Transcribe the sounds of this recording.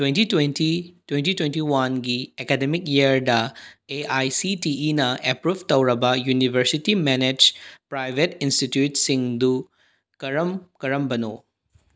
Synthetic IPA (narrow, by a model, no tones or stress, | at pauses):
twentitwentitwentitwentiwanɡiekɛdemikjiɐɾdɐeʔajsitiːnɐʔepɾub̚tɐwɾɐbɐjunibʱɐɾsitimɛned͡ʒpɾajbʱetinstitjutsiŋdu | kɐɾɐmkɐɾɐmbɐno̰